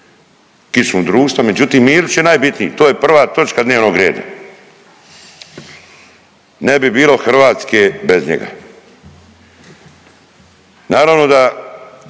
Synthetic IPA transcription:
kismud̪ɾuːʃt̪ʋame̞d͡ʒut̪iːmːiːɾut͡ʃjenajbit̪nijːt̪oːjepr̩ʋaːt̪o̞t͡ʃkad̪neːʋno̞ɡɾjeːd̪a̰ | nebibiːlo̞xr̩ʋaːt̪skebezɲḛɡa̰ | naːɾaʋno̞d̪a

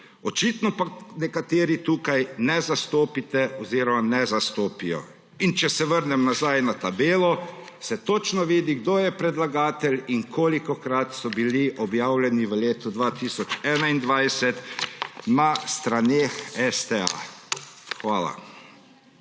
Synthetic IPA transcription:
ɔt͡ʃit̪nɔpanɛkat̪eːɾit̪uːkajnɛzast̪oːpit̪ɛɔziɾɔmanɛzast̪oːpijɔ̰ | int͡ʃɛsɛʋəɾnɛmnazajnat̪abeːlɔsɛt̪ot͡ʃnɔʋiːd̪iɡd̪oːjɛpɾɛd̪laɡaːt̪ɛlinkʰoːlikɔkɾat̪sɔbiliʔɔbjaːwlʲɛniʋəleːt̪ud̪ʋat̪isɔt͡ʃɛːnaind̪ʋajsɛt̪nast̪ɾaneːxɛst̪ɛa̰ | xʋaːla̰

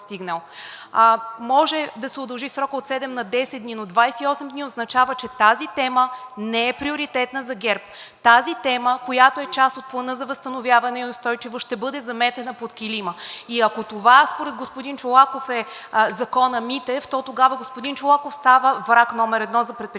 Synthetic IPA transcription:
st̪iɡnəlˠ | mɔʒɛd̪ɐsɛod̪ɐlˠʒisɾɔkot̪sɛd̪ɛmnɐd̪ɛsɛd̪d̪ninod̪vajsɛiɔsɛmd̪niod̪znɐt͡ʃavət͡ʃɛt̪azit̪ɛmənɛɛpɾioɾit̪ɛt̪nɐzɐɡɛɾpt̪azit̪ɛməkojat̪oɛt͡ʃast̪ot̪̚plˠɐnɤzɐvɐst̪ɐnovʲjavɐnɛiost̪ɔjt͡ʃivoʃt̪ɛbɤd̪ɛzɐmɛt̪ɛnɐpot̪kʲiliməiɐkot̪ovaspoɾɛd̪̚ɡospʊd̪int͡ʃolˠakofɛzɐkɔnɐmit̪ɛft̪ɔt̪oɡavəɡospod̪int͡ʃolˠakofst̪avəvɾaknɔmɛɾɛd̪nɔzɐpɾɛt̪̚p

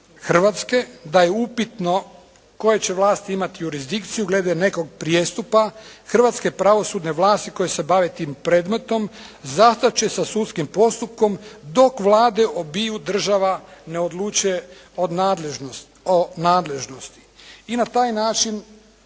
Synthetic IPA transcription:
xr̩ʋat̪ske̞d̪ajeupit̪no̞ | ko̞je̞t͡ɕe̞ʋlˠaːst̪iimat̪ijuɾizd̪ikt̪sijuɡle̞ːd̪ane̞ko̞ɡ̚pɾjest̪upaxr̩ʋat̪ske̞pɾaʋo̞suːd̪ne̞ʋlˠaːst̪iko̞jese̞baʋe̞t̪iːmpɾeːd̪me̞t̪o̞mzast̪at͡ɕe̞sasut̪skimpo̞st̪up̚ko̞md̪o̞kʋlˠaːd̪e̞ʔobijud̪r̩ʒaʋane̞o̞d̪lˠut͡ʃuje̞od̪leʒ | onaːd̪le̞ʒno̞st̪i̥inat̪aːjnaːt͡ʃin

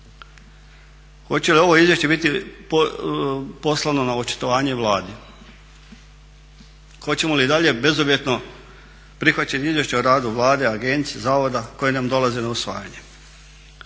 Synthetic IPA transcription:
xo̞t͡ɕe̞lio̞ʋo̞izje̞ʃt͡ɕe̞bit̪i | po̞slˠano̞naot͡ʃi̥t̪oʋaːɲe̞ʋlaːd̪e | xo̞t͡ɕe̞mo̞liːd̪aʎe̞be̞zobje̞t̪no̞ | pɾixʋat͡ɕeniizʋje̞ʃt͡ɕeoɾaːd̪uʋlˠaːd̪e̞aɡe̞nt̪siezaːʋo̞d̪ako̞jenamd̪o̞lˠazenausʋa̰ːja̰ɲe̞

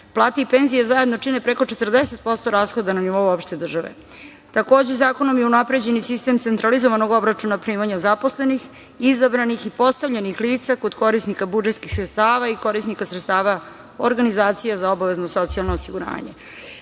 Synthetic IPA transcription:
plˠaːt̪eipe̞nzijazaed̪no̞t͡ʂine̞pɾeko̞t͡ʃe̞t̪r̩d̪ese̞t̪̚po̞st̪o̞ɾaːsxo̞d̪ananiʋo̞uopʃt̪ed̪r̩ʒaʋḛ | t̪ako̞ːd͡ʑe̞zaːko̞no̞mjeunapɾe̞d͡ʑe̞nisist̪e̞ːmt̪sent̪ɾalizoʋanoɡo̞bɾat͡ʂunapɾiːmaɲazapo̞sle̞nix | izabɾanixipo̞st̪aʋʎenixliːt̪sako̞d̪ko̞ɾisnikabud͡ʒet̪kixsɾet̪st̪aːʋaiko̞ɾisnikasɾet̪st̪aːʋa | o̰ɾɡanizaːt̪sijazao̞baʋe̞znoso̞t̪sijalˠnoːsiɡuɾa̰ːɲḛ

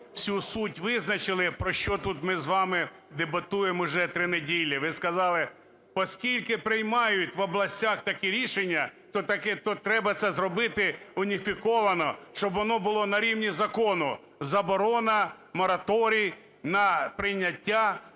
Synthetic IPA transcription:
sʲusutʲʋɪznɐt͡ʃɪlˠɪpɾɔʃt͡ʃɔt̪ut̪mɪzʋɑmɪ | d̪ebɐt̪ujemʊʒɛt̪ɾɪnedʲilʲːiʋɪskɐzɑlˠɪ | pɔskʲilʲkɪpɾɪjmɑjʊtʲʋɔblˠɐsʲtʲaxt̪ɐkiɾʲiʃenʲːɐt̪ɔt̪ɐkɛt̪ɔt̪ɾɛbɐt̪sɛzɾɔbɪt̪ɪʊnʲifʲikɔʋɐnɔʃt͡ʃɔbʋɔnɔbʊlˠɔnɐɾʲiwnʲizɐkɔnʊ | zɐbɔɾɔnɐ | mɔɾɐt̪ɔɾʲij | nɐpɾɪjnʲɐtʲːa

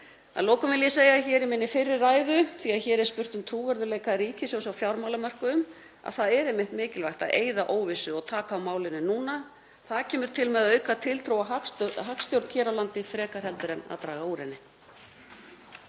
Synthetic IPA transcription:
a̰ðloːwkʏmvɪljɛseːjaçɛːɾɪmɪnːɪfɪrːɪɾaːjðʏθiaðçɛːɾɛɾ̥spʏr̥t̪ʏmt̪ʰɾuːvɛɾðʏleːjkaɾiːcɪsowsawfjawɾmawlamar̥kʏʏm | a̰̥θaðɛɾejmːɪht̪mɪːcɪlvajht̪aðeːjðaʔoːwvɪsʏɔɣt̪ʰaːkaːwmaːwlɪnːɪnuːna | θaðcʰɛːmʏɾ̥t̪ʰɪlmɛðaœːɥkaðt̪ʰɪlt̪ʰɾoːwaɦakst̪jowɾt̪n̥cʰɛːɾalant̪ɪfɾɛːkar̥hɛlt̪ʏɾɛna̰ðt̪ɾaːɣauːɾɪnːɪ

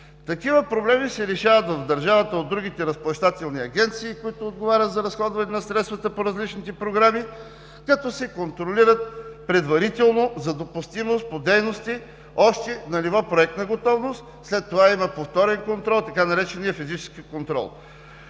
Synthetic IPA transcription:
t̪ɐkivəpɾoblɛmisɛɾɛʃavət̪vɐvd̪ɐɾʒavət̪əod̪ːɾuɡ̟it̪ɛɾɐsplˠɐʃt̪at̪ɛlˠniɐɡʲɛnt̪siːkoit̪ʊːd̪ɡovaɾʲət̪zɐɾɐsxɔd̪vɐnɛnɐsɾɛt̪st̪vɐt̪əpoɾɐzlit͡ʃnit̪ɛpɾoɡɾami | kɐt̪ɔsɛkont̪ɾoliɾət̪̚pɾɛd̪vɐɾit̪ɛlˠnozɐd̪opust̪imost̪̚pod̪ɛjnost̪i | ɔʃt̪ɛnɐlʲivɔpɾoɛk̚t̪nɐɡot̪ɔvnost̪ | slɛt̪ːovaimɐpoft̪ɔɾɛnkont̪ɾɔlˠt̪ɐkanɐɾɛt͡ʃɛnijəfizit͡ʃɛ̥skʲikont̪ɾɔ̰lˠ

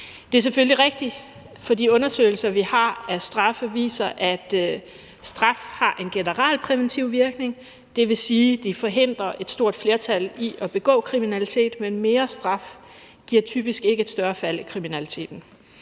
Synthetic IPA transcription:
d̥e̝æɐs̬eføliʁeɡ̥̚d̥i | fɒ̽diɔ̽nɐsø̰ɪl̩sɐʋihɑ̈æsd̥ʁɑ̈fəʋḭːsɐʔæd̥ | sd̥ʁɑ̈fhɑ̈ʔe̝nɡ̥e̝nəʁal̰pʰʁɛʋent͡sʰiʊ̰ʋiɐɡ̥ne̝ŋ | d̥e̝ʋe̝siːd̥ifɒ̽ɦe̝n̰d̥ʁɐʔe̝d̥sd̥o̝ɐ̰d̥fle̝ːɐt͡sʰæliʔɒ̽b̥e̝ɡ̥ɔ̰̽ːkʰʁiminælit͡sʰe̝̰ːd̥menme̝ːɐsd̥ʁɑ̈f | ɡ̥iɐ̰t͡sʰy̰ːb̥isɡ̥e̝ɡ̥əe̝d̥sd̥ɶɐfæl̰ikʰʁiminælit͡sʰe̝̰ːd̥n̩

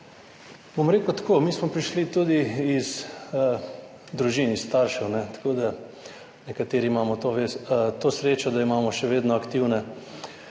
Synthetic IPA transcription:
bomɾeːkʊt̪komiːsmɔpɾiʃlit̪ud̪iːz | d̪ɾuʒiːnist̪aɾʃɛwnɛt̪ḁkoːd̪a | nɛkat̪eːɾiimaːmɔt̪oʋet̪oːsɾeːt͡ʃɔd̪aimaːmɔʃɛʋeːd̪nɔakt̪iwnɛ

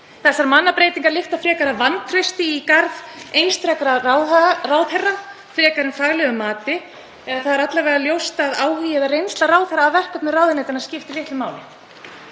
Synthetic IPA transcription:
θɛsːaɾmanːapɾeːjt̪iŋkaɾlɪft̪afɾɛːkaɾavant̪ʰɾest̪ɪikaɾðejnst̪ɾɛkɾa | raːwθɛrːa | fɾɛːkaɾɪnfaɣlɛɣʏmːaːt̪ɪ | ɛðaθaðɾat̪laɾvɛɾðaljowst̪aðaːwhijɛðarejnst̪laraːwðθɛrːaːðvɛr̥kœp̪nʏraːwðɪneːjt̪anascɪft̪ɪljɪht̪ɪmaːwlɪ

